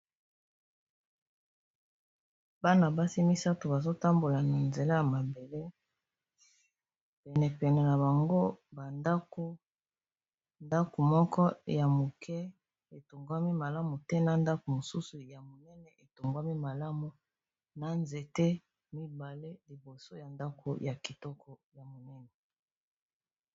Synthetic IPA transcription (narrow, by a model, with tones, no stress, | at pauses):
ba˦na˨ba˦si˦mi˦sa˦to˨ba˨zo˦ta˦mbo˨la˨na˨nze˨la˦ja˨ma˨be˨le˦ | pɛ˨nɛ˨pɛ˨nɛ˨na˨ba˨ŋɡo˦ba˨nda˦ko˦ | nda˦ko˨mɔ˦kɔ˦ja˨mo˨kʰɛ˦ | e˨to˨ŋɡwa˦mi˦ma˨la˦mu˨tɛ˦na˨nda˦ko˨mo˨su˦su˨ja˨mo˨nɛ˦nɛ˨ʔe˨to˨ŋɡwa˦mi˦ma˨la˦mu˨ | na˨nze˨te˦ | mi˦ba˨le˦li˨bo˨so˦ja˨nda˦kʰo̰˨ja˨ki˨tɔ˦kʰɔ˨ja˨mo˨nɛ˦nɛ˨